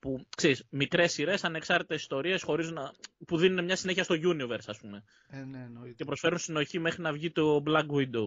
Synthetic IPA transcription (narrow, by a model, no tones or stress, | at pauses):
pukse̞ɾismikɾe̞siɾe̞sɐne̞ksɐɾt̪it̪esi̥st̪o̞ɾie̞sxo̞ɾizunɐpuðinunemɲɐsine̞çiɐst̪o̞ʝunioveɾsɐspume̞ | ce̞pɾo̞sfe̞ɾunst̪ino̞çime̞xɾinɐvʝit̪o̞blɐɡwind̪o